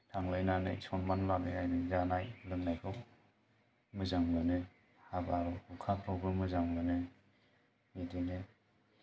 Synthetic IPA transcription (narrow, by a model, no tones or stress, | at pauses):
tʰaŋlajnanɯ̰sɔnmanlaneajnɯzanajlɯŋnajkʰɯw | mɯzaŋlɯnɯ | habaɾɔhukʰapʰɾɔbemɯzaŋlɯnɯ | midine